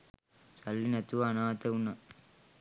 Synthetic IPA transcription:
sɐlːinɐt̪uʋɐːnaːt̪ɐunɐ

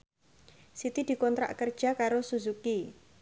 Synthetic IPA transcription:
sit̪id̪̥i̤kɔnt̪ɾa̰ʔkərd̥ʒ̥a̤kaɾosuzuki

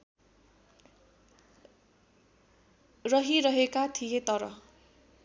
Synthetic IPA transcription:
rʌɦiɾʌɦekat̪ʰijet̪ʌɾʌ̰

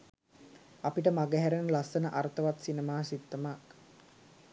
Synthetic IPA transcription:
apiʈəmaɡəɦæɾenəlasənəʔaɾət̪əʋat̪sinemaːsit̪ːəmak

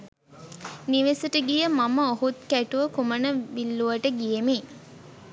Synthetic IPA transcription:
niʋesəʈəɡijəmaməohut̪̚kæʈuʋəkumənəʋilːuʋəʈəɡijemi

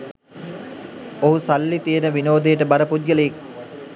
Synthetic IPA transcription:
oɦusalːit̪ijənəʋinoːd̪ejəʈəbaɾəpud̪ɡələek̚

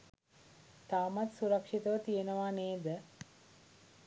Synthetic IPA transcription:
t̪aːmat̪suɾakʂit̪əʋət̪ijenəʋaːneːd̪ə

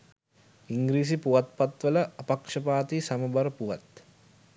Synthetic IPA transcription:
iŋɡɾiːs̬ipuʋat̪̚pat̪ʋəlɐɐpɐkʂɐpaːt̪isɐmɐbɐɾəpuʋat̪

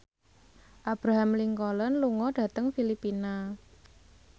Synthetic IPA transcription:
ʔab̥ɾaɦamliŋkɔlənluŋɔɖ̥ä̤t̪əŋfilipina

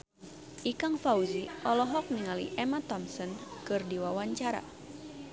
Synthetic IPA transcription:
ʔikaŋfauziʔɔlɔɦɔk̚niŋalḭʔɛmat̪ɔmsɔnkɨrdiwawaɲt͡ʃaɾa̰

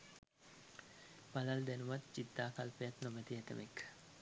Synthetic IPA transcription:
b̥ɐlɐld̪ɛnumɐt̪t͡ʃid̪ːaːkɐlpejɐt̪nomɛt̪iɛt̪ə̰mekː

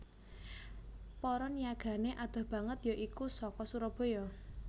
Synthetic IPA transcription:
pɔɾɔnjaɡ̥ä̤neʔad̪̥ɔ̤hb̥a̤ŋət̪joʔikusɔkɔsuɾɔb̥o̤jɔ

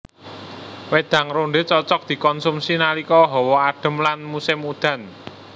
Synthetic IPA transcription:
wed̪̥ä̤ŋɾoɳɖet͡ʃɔt͡ʃɔk̚d̪̥i̤kɔnsumsinalikɔɦɔwɔaɖ̪̥ə̤mlanmusɪmud̪̥ä̤n

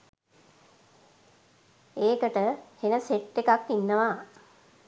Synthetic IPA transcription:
eːkəʈəhenəseʈːekakːinːəʋaː

